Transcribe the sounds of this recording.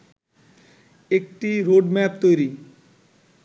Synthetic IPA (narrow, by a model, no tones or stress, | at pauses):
ek̚ʈiɾoɖmɛp̚t̪ojɾi